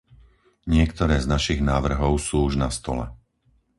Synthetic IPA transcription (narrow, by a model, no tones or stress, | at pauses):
ɲɪɛkt̪ɔɾɛːznaʃiɣnaːʋr̩ɦɔʊsuːuʒnast̪ɔ̰lɛ̰